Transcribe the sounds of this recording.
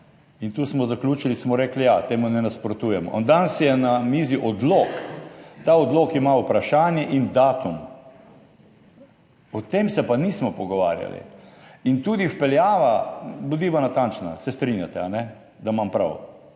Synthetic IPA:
int̪uːsmɔzaklʲuːt͡ʃilismɔɾeːklijat̪eːmunɛnaspɾɔt̪uːjɛmɔ̰nd̪ansjɛnamiːziʔɔd̪loːkt̪aɔd̪loːkimaupɾaʃaːnjɛʔind̪aːt̪um | ɔt̪eːmsɛpaniːsmɔpɔɡɔʋa̰ːɾja̰lḭint̪uːd̪ifpɛljaːʋabod̪iʋanat̪ant͡ʃna̰sɛst̪ɾinjat̪ɛanɛ | d̪amampɾa̰w

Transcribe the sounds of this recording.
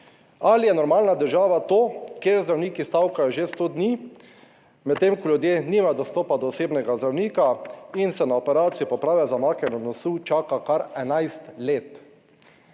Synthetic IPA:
alijɛnɔɾmaːlnad̪əɾʒaːʋat̪oːkeːɾzd̪ɾawniːkist̪awkajɔʒest̪od̪niː | mɛt̪ːemkɔljud̪jeːniːmajɔd̪ɔst̪oːpad̪ɔːseːbnɛɡazd̪ɾawniːkainsɛnaɔpɛɾaːt̪sijipɔpɾaːwʋjɛzamaːkɛnɔnɔsut͡ʃaːkakaɾɛnajst̪leːt̪

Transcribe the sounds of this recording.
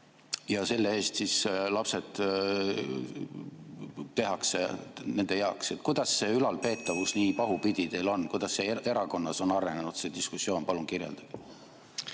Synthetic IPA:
jɑse̞lːee̞ːst̪sislɑpse̞t̪ | t̪e̞ɦɑksḛne̞nd̪e̞jɑokset̪ːˑkujd̪̥ɑsːe̞ylɑlpe̞ːt̪ːˑɑvusniːpɑɦupid̪̥ʲit̪e̞jlo̞nːkujd̪ɑsːe̞e̞ɾɑko̞nːɑso̞nɑɾe̞ne̞nud̪̥se̞d̪iskusːo̞ːnpɑlumkirje̞̰ld̪̥ɑb̥

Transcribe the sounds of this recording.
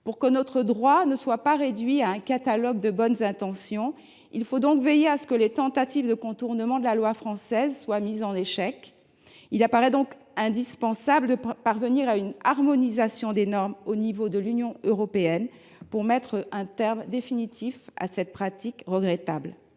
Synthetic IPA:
puʁkənɔt̪χəd̪ʁwanəswapaʁed̪ɥiaɛ̃kat̪alɔɡd̪əbɔnzɛ̃t̪ɑ̃sjɔ̃ | ilfod̪ɔ̃kvejeasə̥kəlet̪ɑ̃t̪at̪ivd̪əkɔ̃t̪uʁnəmɑ̃d̪əlalwafχɑ̃sɛzswamizɑ̃neʃɛk | ilapaʁɛd̪ɔ̃k | ɛ̃d̪ispɑ̃sabləd̪əpaʁvəniʁaynaʁmɔnizasjɔ̃d̪enɔʁmonivod̪əlynjɔ̃øʁɔpeɛn | puʁmɛt̪χɛ̃t̪ɛʁmd̪efinit̪ʰifa̰sɛt̪̚pχat̪ikʁəɡʁɛt̪abl

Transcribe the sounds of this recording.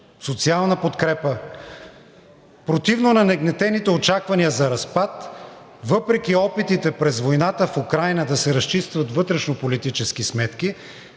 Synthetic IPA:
sot̪sialˠnɐpot̪kɾɛpə | pɾot̪ivnonɐnɛɡnɛt̪ɛnit̪ɛot͡ʃakvɐniəzɐɾɐspat̪ | vɤpɾɛk̟iɔpit̪it̪ɛpɾɛzvojnat̪əfukɾajnəd̪ɐsɛɾɐst͡ʃist̪vɐt̪vɤt̪ɾɛʃnopolit̪it͡ʃɛskismɛt̪k̟i

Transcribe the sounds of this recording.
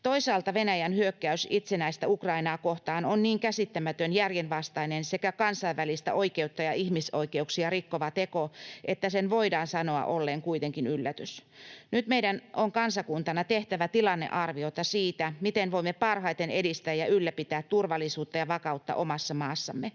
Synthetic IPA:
t̪oisɑːlt̪ɑʋenæjænhyøkːæysit̪senæist̪æukrɑinɑːkoht̪ɑːnonniːŋkæsit̪ːæmæt̪ønjærjenʋɑst̪ɑinensekækɑnsɑiʋʋælist̪æ̰ʔoikeut̪ːɑjɑihmiso̞ike̞uksiɑrikːoʋɑt̪ekoʔet̪ːæsenʋoidɑːnsɑno̞ɑ̰ʔolːeːŋkuit̪eŋkinylːæt̪ysnyt̪meidænʔoŋkɑnsɑkunt̪ɑnɑt̪eht̪æʋæt̪ilɑnːḛʔɑrʋio̞t̪ɑsiːt̪æmit̪enʋoimːepɑrhɑit̪enedist̪æːjɑylːæpit̪æːt̪t̪urʋɑlːˑisuːt̪ːɑjɑʋɑkɑut̪ːɑ̰ʔomɑsːɑmɑːsːɑmːe

